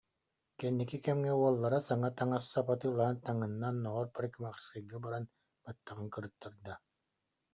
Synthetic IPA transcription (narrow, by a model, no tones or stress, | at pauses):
kɛnːikikɛmŋɛuɔlˠːaɾasaŋat̪aŋasːapat̪ɯːlˠaɦɯnt̪aŋɯnːanːɔʁɔɾpɾɛkimaʁɾskɯɡibaɾan | bat̪ːaʁɯŋkɯɾɯt̪ːɯɾd̪a